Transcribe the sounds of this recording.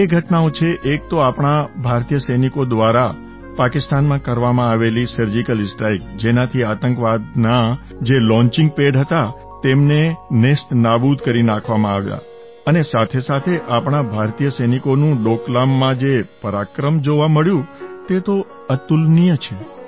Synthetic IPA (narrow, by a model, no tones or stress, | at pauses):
eɡʱəʈnaõt͡ʃʰeʔek̚t̪oapɳ̃abʱaɾt̪ijəsəjnikod̪ʋaɾa | pakɪst̪anmãkəɾʋamãaʋelisəɾd͡ʒikəlsʈɾajk̚d͡ʒenat̪ʰiat̪əŋkʋad̪na | d͡ʒelɔ̃ɲt͡ʃɪ̃ŋɡ̚peɖɦət̪a | t̪emnenesʈnabud̪kəɾinakʰʋamãaʋja̰ | ənesat̪ʰesat̪ʰeʔapɳ̃abʱaɾt̪ijəsəjnikonũɖoklamːãd͡ʒepəɾakɾəmd͡ʒoʋaməɭjũt̪et̪o | ət̪ulnijət͡ʃʰe